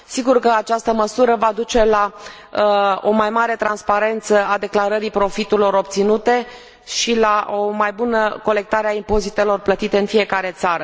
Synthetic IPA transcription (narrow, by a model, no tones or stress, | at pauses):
siɡurkəat͡ʃast̪əməsuɾəvad̪ut͡ʃe̞la | o̞majmaɾe̞t̪ɾanspaɾe̞nt̪səad̪e̞klaɾəɾipɾo̞fit̪uɾilo̞ɾo̞p̚t̪sinut̪e̞ | ʃilaʔo̞majbunəko̞le̞k̚t̪aɾeaimpo̞zit̪e̞lo̞rplət̪it̪e̞ɨnfije̞kaɾe̞t̪saɾə